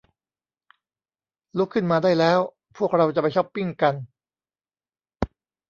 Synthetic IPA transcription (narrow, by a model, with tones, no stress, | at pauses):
lu˦˥kʰːɯ˥˩nmaː˧daː˥˩jlɛː˦˥w | pʰu˥˩ək̚ɾa˧wt͡ɕa˨˩pa˧jt͡ɕʰɔ˥˩pːi˥˩ŋka˧n